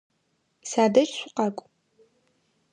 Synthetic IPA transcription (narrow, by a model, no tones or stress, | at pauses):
saːdɐt͡ʃʼɕʷʊqɑkʷʼ